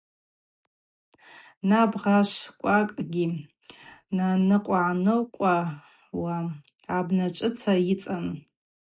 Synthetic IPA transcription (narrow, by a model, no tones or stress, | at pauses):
nabʁaʃʷkʷʼakʼɡʲi | nanɨqʷʼaʕnɨlkʷʼa | waː | bnat͡ʃʷʼɨt͡sʰajit͡sʼan